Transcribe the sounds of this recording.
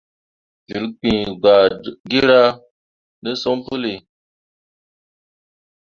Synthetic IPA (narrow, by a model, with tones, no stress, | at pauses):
d͡ʒi˨lk͡pĩ˨ɡ͡ba˨ɡi˦ɾa˦ | nɨ˦sɔ˦m˦pu˦li˨